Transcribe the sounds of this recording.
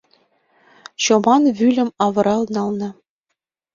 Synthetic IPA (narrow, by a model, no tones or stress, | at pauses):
ɕomɑnvylʲɘ̆mɑvɤ̆ɾɑlˠnɑlˠnɤ̆